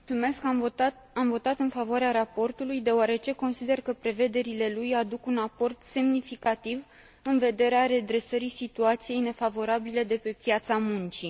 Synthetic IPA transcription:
uume̞ska | amvo̞t̪at̪ɨnfavoaɾeaɾapo̞rt̪ulujd̪e̞oaɾe̞t͡ʃe̞ko̞nsid̪e̞rkəpɾe̞ve̞d̪e̞ɾile̞lujad̪ukunapo̞rt̪se̞mnifikat̪iv | ɨnve̞d̪e̞ɾeaɾe̞d̪ɾe̞səɾisit̪uat̪sije̞jne̞favo̞ɾabile̞d̪e̞pe̞pjat̪samunt͡ʃi

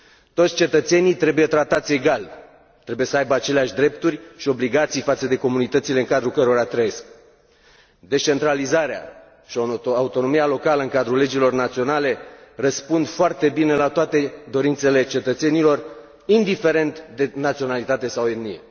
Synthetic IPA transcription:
t̪o̞t̪sʲt͡ʃe̞t̪ət̪se̞nijt̪ɾe̞buje̞t̪ɾat̪at̪sʲe̞ɡal | t̪ɾe̞buje̞səajbəat͡ʃe̞leaʃʲd̪ɾe̞p̚t̪urʲʃio̞bliɡat̪sijfat̪səd̪e̞ko̞munit̪ət̪sile̞ɨŋkad̪ɾukəɾoɾat̪ɾəje̞sk | d̪e̞st͡ʃe̞nt̪ɾalizaɾea̰ | ʃioaut̪o̞no̞mialo̞kaləɨŋkad̪ɾule̞d͡ʒilo̞rnat̪sio̞nale̞rəspund̪foart̪e̞bine̞lat̪oat̪e̞d̪o̞ɾint̪se̞le̞t͡ʃe̞t̪ət̪se̞nilo̞r | ind̪ife̞ɾe̞nt̪d̪e̞nat̪sio̞nalit̪at̪e̞sawennijḛ

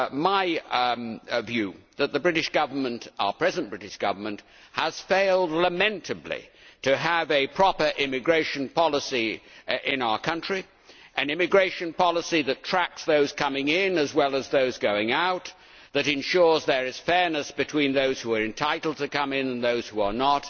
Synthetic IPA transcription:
maɪ | vjʉðɨt̪̚ðɨbɹɪɾɨʃɡ̥ʌvə˞mə̃ntpʰɹ̥ɛzɨ̃nb̥ɹɪɾɨʃɡ̥ʌ̰və˞mɨ̃nʔ | həz̥feɪlˠdˡləmɛ̃ntʰɨblḭɾɨəvɨpʰɹ̥ɑpə˞ʔɪmɨɡɹeɪʃɨ̃npʰɑlˠəsiɪ̃naʊə˞kʰʌ̃nt͡ʃɹ̥i | ʔɨ̃nɪ̃mɨɡɹeɪʃɨ̃npʰɑlˠəsiðɨtʰɹ̥æk̚sðoʊz̥kʰʌmɪ̃ŋɪ̃nɨzwɛlˠəzðoʊzɡoʊɪ̃ŋaʊt̪̚ | ðɨɾɨ̃nʃʊɹzðə˞ɨz̥fɛɹnɨsb̥ɨtʰw̥ĩnðoʊz̥huə˞ɨ̃ntʰaɪɾl̩ˠd̚tʰɨkʌ̃mɪ̃nɨ̃nðoʊz̥huə˞nət̚

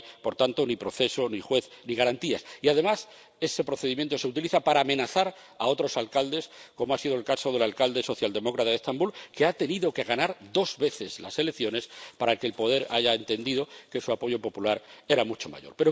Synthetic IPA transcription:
po̞ɾt̪ant̪o̞nipɾo̞θe̞so̞nixwe̞θniɣ̞aɾant̪iasiaðe̞mas | e̞se̞pɾo̞θeðimjent̪ose̞ut̪iliθapaɾaːmẽ̞naθaɾ | ao̞t̪ɾo̞salkald̪e̞sko̞moasiðolkaso̞ðe̞lalkald̪e̞so̞θjald̪e̞mo̞kɾat̪aðest̪ambulkeat̪e̞niðo̞ke̞ɣanaɾd̪o̞zβe̞θe̞zla̰se̞lekθjo̞ne̞spaɾakelpo̞ð̞e̞ɾaʝae̞nt̪e̞nd̪iðo̞ke̞suapo̞ʝo̞po̞pulaɾe̞ɾamut͡ʃo̞ma̰ʝo̞ɾpe̞ɾo

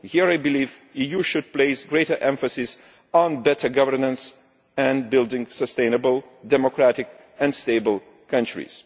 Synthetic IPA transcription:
hiəɹajbɨlivijuʃʊd̚pleɪsɡɹeɪtə˞ʔɛ̃ɱfəsɪs | n̩bɛtə˞ɡʌvə˞nə̃ns | ɛ̃nbɪlˠdɪ̃ŋsəstẽɪ̃nəbəlˠ | dɛmɔkɹætɪk | ɛ̃nsteɪbəlˠ | kʰʌ̃nt͡ʃɹḭz̥

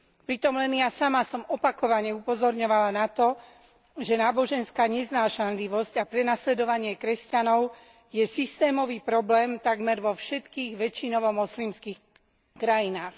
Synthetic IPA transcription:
pɾit̪ɔmlɛnjasamasɔmɔpakɔʋaɲɛupɔzɔɾɲɔʋalanat̪ɔ | ʒɛnaːbɔʒɛnskaːɲɛznaːʃanliʋɔscapɾɛnaslɛd̪ɔʋaɲɪɛkɾɛscanɔʊ | jɛsist̪ɛːmɔʋiːpɾɔblɛːmt̪aɡmɛɾʋɔfʃɛt̪kiːɣʋɛt͡ʃinɔʋɔmɔslimskiːx | kɾajinaːx

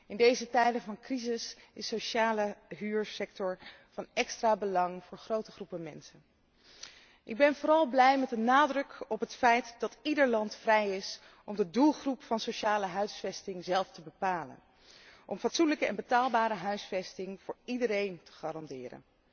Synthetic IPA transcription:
ɪndejzətɛjdənvɑnkrizɪsɪsowʃaːləɦyːɹsɛk̚tɔɹv̥ɑnɛkstraːbəlɑŋv̥ʊːɹχrowtəχrupəmɛ̰nsən | ʔɪɡ̚bɛnvʊːɾɑlˠblɛjmɛtdənaːdrɵkɔpɦətfɛjtdɑtidəɹlɑntfrɛjɪs | ʔɔmdədulˠχrupfɑnsoʃaːləɦœɥsfɛstɪŋzɛlˠftəbəpaːlə̰n | ʔɔmfɑtsunləkəɛ̰nbətaːlˠbaːɾəɦœɥsfɛstɪŋv̥ʊːɹidəɾejntə̥χaːɾɑndɪːrə̰n

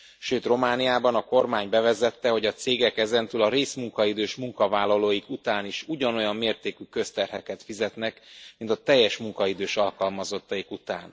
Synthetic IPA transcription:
ʃøːt̪ro̞maːnijaːbɒnɒko̞rmaːɲbɛvɛzɛt̪ːɛho̞ɟɒt̪seːɡɛkɛzɛnt̪yːlɒɾeːsmuŋkɒid̪øːʃmuŋkɒvaːlːɒloːjikut̪aːniʃuɟɒno̞jɒmːeːrt̪eːkykø̞st̪ɛrhɛkɛt̪fizɛt̪nɛkmint̪ɒt̪ɛjːɛʃmuŋkɒid̪øːʃɒlkɒlmɒzo̞t̪ːɒjikut̪a̰ːn

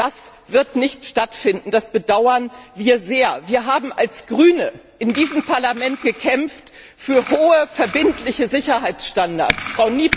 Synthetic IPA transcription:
d̥as | v̥ɪɐtnɪçtʃtatfɪndn̩d̥asb̥ədaʊɐnviːɐzeːɐviːɐɦaːbm̩ʔa̰lsɡ̥ʁyːnəʔɪndiːzəmpʰaɐlamɛnt̚ɡ̥əkʰɛmft | fyːɐhoːəfɛɐbɪntlɪçəzɪçɐɦaɪt͡sʃtanda̰ɐt͡sfʁ̥aʊniːp

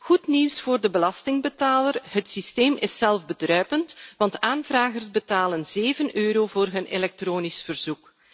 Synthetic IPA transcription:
ɣutniwsfoːrdəbəlɑstɪŋbətaːlərɦətsisteːmɪsɛlˠvbədrœɥpəntʋɑntaːnvraːɣərzbətaːlənzeːvənʔøːɾoːvoːrɦɵnelɛk̚troːnisfərzuk

